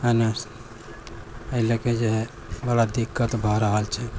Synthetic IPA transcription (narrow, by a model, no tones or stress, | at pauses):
ənas | əileked͡ʒeɦ | bəɽad̪ikːət̪bʱɔɾəɦəlt͡ʃʰɛ